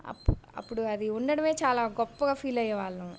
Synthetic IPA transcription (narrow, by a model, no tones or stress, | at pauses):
ɐ̰pːɐ̰pːuɽuɐd̪iunːɐɽɐmeːt͡ʃaːlaːɡɔpːɐɡaːfiːlɐjːɐʋaːɭːũ